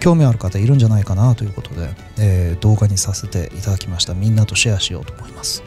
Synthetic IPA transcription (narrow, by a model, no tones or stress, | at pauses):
kʲo̞ːmʲiaɾɯ̟kat̪aiɾɯ̟̃ɲ̟d͡ʑanaikanat̪o̞jɯ̟ːko̞t̪ʰo̞d̪e̞̰ | eːd̪o̞ːɡaɲ̟isase̞t̪e̞̰ʔit̪ad̪akʲimaɕi̥t̪amʲĩnːat̪o̞ɕijaɕijo̞̰ːt̪o̞ːmo̞imasɨ̥